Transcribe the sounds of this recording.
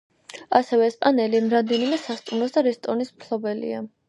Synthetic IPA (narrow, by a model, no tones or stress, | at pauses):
asɛvɛːspʼanɛlimɾamd̪ɛnimɛsast̪ʼumɾˠɔsd̪aɾɛst̪ʼɔnismkʰlˠɔbɛlḭa